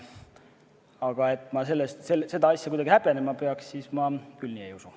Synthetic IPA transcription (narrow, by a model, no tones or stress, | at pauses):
ɑɡ̥ɑe̞t̪ːˑmɑse̞lːest̪selse̞d̪̥ɑɑsʲjɑkujd̪ɑɡ̥ihæpene̞mɑpe̞ɑkssismɑkylniejusu